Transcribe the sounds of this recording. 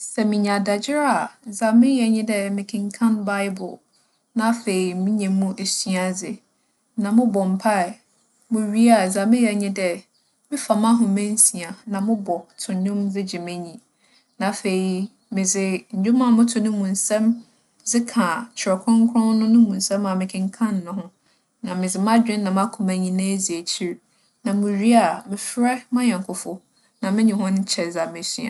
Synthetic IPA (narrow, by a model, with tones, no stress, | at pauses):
sɛ˨mɪ̃˨ɲ˨ã˨da˨d͡ʑɪ˦ɾa˦˨za˨mɪ̃˦jɛ˨ɲĩ˦dɛ˦mɪ̃˨kʰɪ̃˨ŋkʰã˦nba˦ɪ˦bʊ̰˨l | nã˨˦fe˨i˨mĩ˦ɲɛ̃˨mũ˦ʔe˨sɥa˨d͡zɪ˨ | nã˨mʊ̃˦bɔ˨m̩˨pʰa˦ɛ˨ | mʊ̃˨ɥi˦a˨zã˨mɪ̃˦jɛ˨ɲɪ̃˦dɛ˨ | mɪ̃˦fa˨mã˦ɦʊ̃˨mɛ̃˦n̩˦si˨a˨nã˨mʊ̃˦bɔ˨tʰʊ̃˨ɲʊ̃˦md͡zɪ˦d͡ʑɪ˨mɛ̃˦ɲĩ˨ | nã˨fe˨i˨ | mɪ̃˨d͡zɪ˨ɲ̩˨d͡ʒᶣʊ̃˦mã˦˨mʊ̃˦tʰʊ̃˨nʊ̃˦mũ˨n˨sɛ̃˦m | d͡zɪ˦kʰã˨t͡ɕʰɛ˨kʰɔ̃˦ŋ˦kʰʊ̃˦nʊ̃˦nʊ̃˦mũ˨nsɛ̃˦ma˨mɪ̃˨kʰɪ̃˦ŋ˦kʰã˦nː˨ʊ̃˨ɦʊ̃˦ | nã˨mɪ̃˨d͡zɪ˨m˦ã˦d͡ʑᶣɪ̃˦nnã˨m˦a˦kʰʊ̃˨mæ̃˨ɲĩ˦nã˦˨zi˨æ˨t͡ɕʰi˦ɾ | nã˨mʊ̃˨ɾi˦a˨mɪ̃˨fɾɛ˦mã˦ɲã˨ŋkʰʊ˨fɔ˦ | nã˨mɪ̃˦ɲɪ̃˨hʊ̃˦n˦t͡ɕʰɛ˨za˨mɪ̃˨si˦˨a̰˨